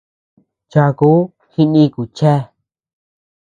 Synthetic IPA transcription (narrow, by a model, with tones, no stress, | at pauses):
t͡ʃa˧ku˦ | hi˦˧nĩ˧ku˨t͡ʃe˦